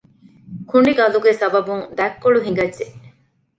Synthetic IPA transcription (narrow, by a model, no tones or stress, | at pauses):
kuɳɖiɡɐluɡesɐbɐbuŋd̪ækːoɭuɦiŋɡɐdʒe